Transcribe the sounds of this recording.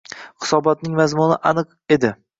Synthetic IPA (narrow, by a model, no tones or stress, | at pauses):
hɪ̥sɒbɒt̪̚nɪŋmazmʊnɪʔanɨq | e̞d̪ɪ